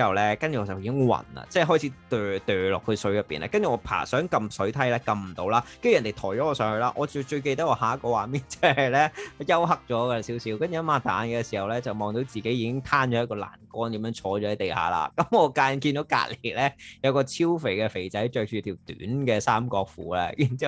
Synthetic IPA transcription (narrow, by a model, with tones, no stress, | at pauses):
ɐ˨wlɛː˥kɐ˥nt͡ʃyː˨ɔː˨˧˩t͡sɐ˨wjiː˧˥kɪ˥ŋwɐ̰˨˩nɐ̰˨t͡sɛː˥˩ɦɔː˥jt͡sʰiː˨˥t̪øː˨˩t̪œː˨˩lɔ̰ː˨kʰːɵ˧ɥsɵ˨˥jɐ˨pːḭː˨nʔa̰˧˥kɐ˥nt͡ʃy˨ŋɔː˨˧pʰa̰ː˨˩sœː˨˥ŋkɐ˧msɵ˨˥ɥt̪ʰɐ˥jlɛː˧˥kɐ˧mm̩˨˩t̪o˧˥wlaː˥kɐ˥jnd̪e˨jt̪ʰɔː˨˩jt͡ʃɔ˨˦˥ɔː˧sœː˨˥ŋhɵ˧laː˧˥ʔɔː˨˧t͡ʃɵ˧t͡ʃɵ˧ɥk̬e˧jt̪ɐ˥ɔː˨˧haː˨˥kɔː˧waː˨˩miː˨˥nt͡sɐ˥˩hɐ˨˩lɛː˥˨jɐ˥wɦɐ˨˥k̚t͡ʃɔː˨˥ka˧siː˨˥wsiː˧wkɐ˥nt͡ʃy˨ɐ˥maː˧t̪aː˨˥nkɛ˧si˨˩hɐ˨wlɛː˥t͡sɐ˨wmɔː˨ŋt̪o˨˥wt͡siː˨ke˨˥jiː˨˧kɪ˥ŋt̪ʰaː˥nt͡ʃɔː˨˥jɐ˥t̚kɔː˧la̰ː˨˩nkɔː˥nt̪iː˨˥mjœː˧˥ŋt͡ʃʰɔː˨˥t͡ʃɔː˨˧˥ɐ˨˧jt̪e˨jha̰ː˨˩la̰ː˧kɐ˨˦mŋɔː˨˧kaː˧nk̬i˧nt̪o˨˥wka̰ː˧˥t̚le˨˩lɛː˥jɐ˨˧wkɔː˧t͡sʰiː˥wfe˨˩jkɛ˧fe˨˩jt͡sɐ˨˥jt͡ʃœː˧k̚t͡ʃyː˨˧˥t̪ʰiː˨˩wt̪y̰ː˨˥nkɛː˧saː˥mkɔː˧k̚fṵː˨˥lɛ̰˥jy˨˩nt͡siː˥